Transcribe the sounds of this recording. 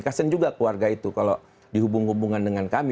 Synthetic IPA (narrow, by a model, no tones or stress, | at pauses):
kasənd͡ʒuɡakluarɡait̪ukalo | diɦubuŋɦubuŋandəŋankami